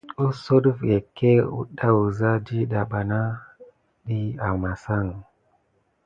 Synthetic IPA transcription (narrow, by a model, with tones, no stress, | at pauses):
u˦so˦ɗu˦fje˨ke˦ṵ˦ɗa˦u˨za˦d͡ʒi˦ɗa˨ɓa˨na˦ | ɗi˦a˨ma˨sa˦˨ŋ˨